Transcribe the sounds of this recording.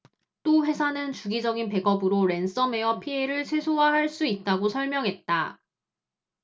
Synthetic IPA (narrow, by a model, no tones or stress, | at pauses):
t͈oɸe̞sʰanɯnt͡ɕuɡid͡ʑʌɡinpe̞ɡʌbɯɾoɾe̞ns͈ʌme̞jʌpʰieiɾɯɭsʰe̞sʰoɦaɦaɭs͈uit̚t͈aɡosʰʌɭmjʌŋɦe̞t̚t͈a